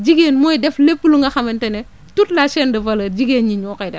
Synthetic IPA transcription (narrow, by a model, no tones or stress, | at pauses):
d͡ʒiɡeːnmɔjdɛflepːuluŋɡɐxɐmɛntɛnɛ | tut̚lasɛːndɐvɐlɐd͡ʒiɡeːnɲiɲɔkɐjdɐ